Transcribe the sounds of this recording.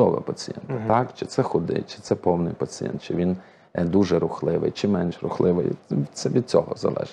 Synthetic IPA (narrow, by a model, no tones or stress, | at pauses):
ɔʋɛ̰pɐt͡sʲijɛ̰nt̪ɐt̪ɑkt͡ʃɪt̪sɛxʊd̪ɪ̰t͡ʃɪ̥t̪sɛpɔwnɪ̰jpɐt͡sʲijɛ̰nt̪̚t͡ʃɪʋʲin | d̪uʒɛɾʊxlˠɪʋɪ̰jt͡ʃɪmːɛnʃrʊxlˠɪʋɪ̰jʲt̪sɛʋʲid̪̚t͡sʲɔɦɔ̰zɐ̰lˠɛ̰ʒ